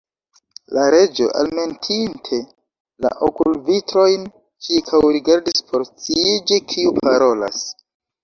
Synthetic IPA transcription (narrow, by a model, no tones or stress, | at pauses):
laɾe̞d͡ʒo̞̰ʔa̰lme̞ntʰintʰe̞ | la̰ʔokulvitɾo̞jn | t͡ʃiɾkʰawɾiɡaɾdispʰo̞ɾt͡siied͡ʒikʰiupʰaɾo̞la̰s